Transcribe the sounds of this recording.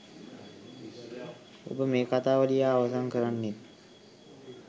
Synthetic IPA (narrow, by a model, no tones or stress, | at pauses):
o̰pəmeːkat̪aːʋəlijaːʋəsankəɾanːet̪